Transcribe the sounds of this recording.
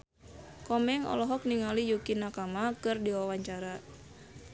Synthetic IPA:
kɔmɛŋɔ̰lɔɦɔk̚niŋalijukinakamakɨrdiwawaɲt͡ʃaɾa

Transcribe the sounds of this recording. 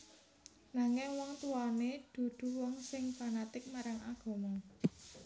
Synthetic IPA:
naŋɪŋwɔŋt̪uaned̪̥ṳd̪̥ṳwɔŋsɪŋpanat̪ɪk̚maɾaŋʔaɡ̥ɔ̤mɔ

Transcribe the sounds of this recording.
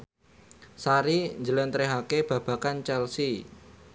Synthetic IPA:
saɾiɲd͡ʒəlɛnt̪ɾeɦakeb̥ä̤b̥ä̤kant͡ʃɛlsi

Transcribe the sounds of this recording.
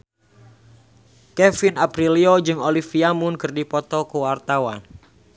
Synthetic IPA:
kɛfinapɾiliod͡ʒɨŋolifiamʊnkɨrdipɔt̪ɔkəwart̪awan

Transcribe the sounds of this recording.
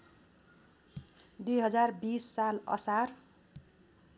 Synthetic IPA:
d̪ujɦʌd͡zarbisːalʌ̰sar

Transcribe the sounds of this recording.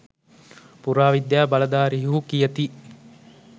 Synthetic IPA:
puɾaːʋid̪jaːbalɐd̪aːɾiɦuɦukijɐt̪i

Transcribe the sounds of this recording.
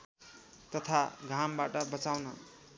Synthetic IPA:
t̪ʌt̪ʰaɡʱambaʈʌbʌt͡sawnʌ

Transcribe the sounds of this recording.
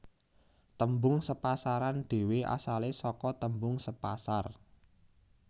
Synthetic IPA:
t̪əmbʊŋsəpasaɾand̪̥e̤weʔa̰salesɔkɔt̪əmbʊŋsəpa̰sar

